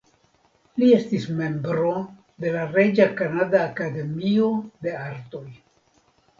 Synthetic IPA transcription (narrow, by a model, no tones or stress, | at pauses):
lie̞stisme̞mbɾo̞ | de̞laɾe̞d͡ʒakanadaːkade̞mio̞de̞aɾto̞j